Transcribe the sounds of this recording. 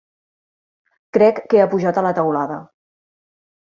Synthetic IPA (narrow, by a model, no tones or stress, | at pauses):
kɾɛkːeapuʒat̪ələt̪əwlaðə